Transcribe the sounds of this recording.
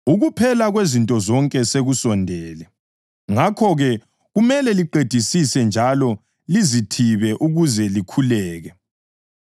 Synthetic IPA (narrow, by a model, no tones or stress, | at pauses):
uɣupʰɛlaɣwezintʼɔzɔŋkʼɛseɣusɔndʱɛːlɛ | ŋakʰɔɣɛ | ɣumɛlɛliǃed̥ʱisisɛnd͡ʒʱalɔ | lizitʰiβɛʔuɣuzɛlikʰulɛːɣɛ